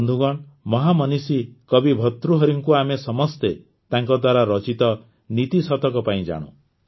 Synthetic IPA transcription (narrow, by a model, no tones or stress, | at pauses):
nd̪ʱuɡɔɳmɔɦamɔnisikɔbibʱɔt̪ɾuɦɔɾiŋkuamesɔmɔst̪e | t̪aŋkɔd̪waɾaɾɔt͡ʃit̪ɔ | nit̪isɔt̪ɔkɔpaĩd͡ʒa̰ɽ̃ṵ̃